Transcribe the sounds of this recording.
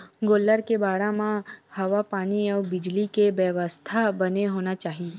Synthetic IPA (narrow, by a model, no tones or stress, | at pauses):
ɡoːlːəɾkebaːɽamãhəʋapaːniəʋbɪd͡ʒlikeʋjəʋəst̪ʰabəneɦoːnat͡ʃaːɦi